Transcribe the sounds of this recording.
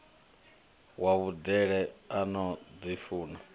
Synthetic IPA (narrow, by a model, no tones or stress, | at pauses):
waβudɛɺɛanɔd͡zifuːna